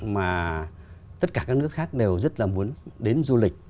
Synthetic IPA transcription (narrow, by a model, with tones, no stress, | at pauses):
maː˨˩ | t̪ə˦˥t̚kaː˧˩kaː˦˥k̚nɨ˦˥ək̚xaː˦˥k̚ɗe˨˩wzə˦˥t̚laː˨˩mu˨˦ənɗe˨˦nzu˧lï˨˩k̚